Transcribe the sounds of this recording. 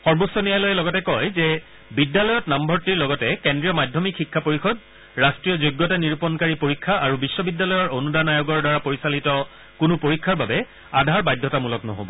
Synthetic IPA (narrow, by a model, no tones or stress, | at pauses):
xɔɹbosːɔnijalɔjɛlɔɡɔtɛkɔjzɛ | bidːalɔjɔtnambʱɔɹtiɹlɔɡɔtɛkendɹijɔmajdʱjɔmikxikʰːapoɹixɔd̚ | ɹastɹijɔzojɡːɔtaniɹupɔnkaɹipoɹikʰːaaɹubisːɔbidːalɔjɔɹonudanajoɡɔɹdaɹapoɹisalitɔ | kʊnʊpoɹikʰːaɹbabɛ | adʱaɹbajdʱːɔtamulɔknɔ̰ɦo̰bɔ̰